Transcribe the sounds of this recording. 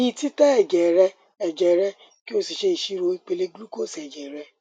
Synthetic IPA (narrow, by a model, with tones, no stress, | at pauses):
ĩ˦ti˦ta˦ɛ˦˨d͡ʒɛ˨ɾɛ˧ | ɛ˨d͡ʒɛ˨ɾɛ˧ | ki˦o˦si˨ʃe˦i˨ʃi˦ɾo˧˦i˧k͡pe˧le˦ɡlu˦ko˦˨sɛ˨d͡ʒɛ˨ɾɛ˧˦